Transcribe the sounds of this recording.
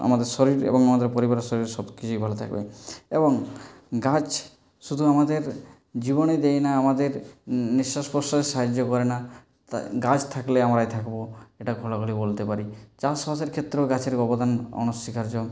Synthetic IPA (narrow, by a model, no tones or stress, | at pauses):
a̰mad̪eɾʃɔɾiɾḛboŋamad̪eɾpoɾibaɾʃoɾiɾʃɔbkit͡ɕʰujbʱalot̪ʰa̰kbḛeboŋ | ɡat͡ɕ | ʃud̪ʱuamad̪eɾ | d͡ʑiboned̪ejnaamad̪eɾniʃːasposʈaɾeʃaɦad͡ʑːokɔɾena | ɡad͡ʑt̪ʰakleamɾajt̪ʰakboeʈaɡʱolaɡolibolt̪epaɾit͡ɕaspaseɾkʰet̪ːɾeɡat͡ɕʰeɾɡɔbod̪ʱanɔ̰nosːikaɾd͡ʑo